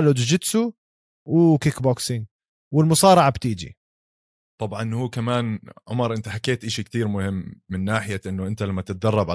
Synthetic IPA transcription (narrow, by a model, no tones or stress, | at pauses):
lʊd̪d͡ʒɪd̪su | wɪkɪkboksɪŋ | wɪlmʊsˤɑːɾɑʕabt̪iːd͡ʒḭ | t̪ˤɑbʕɑnhuːkamaːnʕʊ̰mɑɾˤʔɪnt̪aħakːeːt̪ʔɪʃik̚t̪iːɾmʊhɪmːɪnːaːħɪjaʔɪnːʊʔɪnt̪alamːat̪ɪt̪̚d̪ɑrˤːɑbʕa